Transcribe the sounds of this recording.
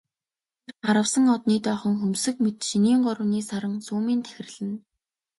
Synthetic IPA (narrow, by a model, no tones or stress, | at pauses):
erɢaɾə̆wsə̆ŋɔt̪niːt̪œːχɞ̆ŋxɵmsɘ̆kmet̪ʃiniːɴɢɔɾə̆niːsaɾə̆ŋt͡suːmiːnt̪ʰæ̥xʲɪ̆rɮɘ̆n